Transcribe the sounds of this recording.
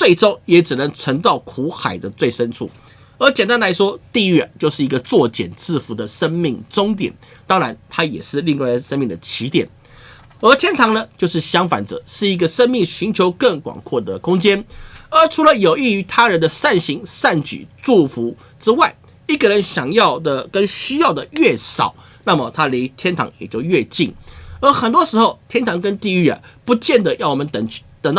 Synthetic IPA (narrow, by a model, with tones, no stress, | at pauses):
t͡swe˥˩ɪʈ͡ʂo˥ʊjɛ˧˥ʈ͡ʂɻ̩˨˩nə˧˥ŋt͡sʰwə˧˥nt͡sɑ˥˩ʊkʰu˧˥xa˨˩ɪd̪ə˦t͡swe˥˩ɪʂə˥nʈ͡ʂʰṵ˥˩ | ə˞˧˥t͡ɕjɛ˨˩nt̪a˥nla˧˥ɪʂwɔ˥t̪i˥˧ɥɛ˥˧˩t͡ɕjo˥˧ʊʂɻ̩˥˩i˧˥ɡə˧t͡swɔ˥˩t͡ɕjɛ̰˨˩nt͡sʰɹ̩˥˩fu˧˥d̪ə˨ʂə˥nmi˥˩ŋʈ͡ʂʊ˥ŋt̪jɛ̰˨˩˦nt̪ɑ˥ŋɻa˧˥nt̪ʰa˥jɛ̰˨˩ʂɻ̩˥˧li˥˧ŋwa˥ɪʂə˥nmi˥˩ŋd̪ə˩t͡ɕʰi˧˥t̪jɛ˨˩n | ə˞˧˥t̪ʰjɛ˥nt̪ʰɑ˧˥ŋnə˧t͡ɕjo˥˧ʊʂɻ̩˥˩ɕjɑ˥ŋfa̰˧˥nt͡sɤ̰˨˩ʂɻ̩˥˩i˧˥ɡə˧ʂə˥nmi˥˩ŋɕy˧˥nt͡ɕʰjo˧˥ʊkə˥˩ŋkw̰ŋkʰwɔ˥˩d̪ə˩kʰʊ˥ŋt͡ɕjɛ˥nə˞˧˥ʈ͡ʂʰu˧˥lə˧jo˨˩ʊi˥˩y˧˥t̪ʰa˥ɻə˧˥nd̪ə˧sa˥˩nɕi˧˥ŋsa˥˩nt͡ɕy̰˨˩ʈ͡ʂu˥˩fu˧˥ | ʈ͡ʂɻ̩˥wa˥˩ɪ | i˥˩ɡə˨˩ɻə˧˥nɕjɑ˨˩ŋjɑ˥˩ʊd̪ə˩kə˦˥nɕy˥jɑ˥˩ʊd̪ə˨ɥɛ˥˩sɑ̰˨˩˦ʊ | na˥˩mə˩t̪ʰa˥li˧˥t̪ʰjɛ˥nt̪ʰɑ̰˧˥ŋjɛ̰˨˩t͡ɕjo˥˧ʊɥɛ˥˧t͡ɕi˥˩ŋə˧˥xə˨˩nt̪wɔ˥ʂɻ̩˧˥xo˥˧ʊt̪ʰjɛ˥nt̪ʰɑ˧˥ŋkə˥nt̪i˥˧y˥˩ə̰˩pu˧˥t͡ɕjɛ˥˩nd̪ə˩jɑ˥˩wɔ˨˩mə˧˦nt̪ə˨˩ŋ˥t̪ə˨˩ŋt̪